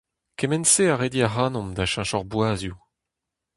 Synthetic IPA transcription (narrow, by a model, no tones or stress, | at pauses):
kemɛnseaʁediaʁaːnɔ̃md̪aʃãʃɔʁbwaːzju